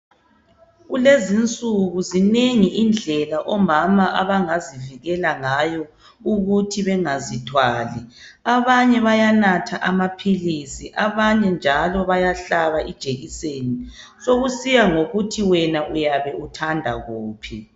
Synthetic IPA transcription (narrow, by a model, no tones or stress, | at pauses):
ɣulezint͡sʼuɣuzineŋiʔind͡ɮʱɛlaʔɔmamaʔaβaŋaziviɣɛlaŋajɔ | uɣutʰiβɛŋazitʰwaːliaβaɲɛβajanatʰaʔamapʰilisiʔaβaɲɛnd͡ʒʱalɔβajaɬaβaʔid̥ʒ̥ʱeɣiseni | soɣusijaŋoɣutʰiwɛnaʔujaβɛʔutʰandʱa̰ɣuːpʰi